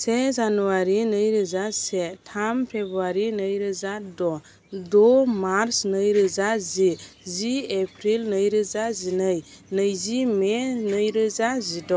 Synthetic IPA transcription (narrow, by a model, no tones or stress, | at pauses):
sezanuwaɾinəjɾəzasɛtʰampʰebɾaɾinəjɾəzadɔ | domaɾsnəjɾəzaziziepʰɾilnəjɾəzazinəjnəjzimenəjɾəzazidɔ